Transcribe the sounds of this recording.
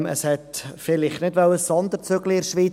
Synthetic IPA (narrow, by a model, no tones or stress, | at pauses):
ə̰shɛt̪fɪlɪχtnɪdʋœwəssɔnd̪əɾt͡sʏɡliɪɾʃʋiː